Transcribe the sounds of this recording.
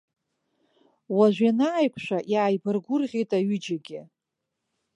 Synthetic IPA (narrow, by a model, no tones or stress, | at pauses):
waʒʷᶣanaːjkʷʰʼʃʷᶣaʔjaːjbɨrɡʷʊrʁʲejtʼaɥʏd͡ʒaɡʲɪ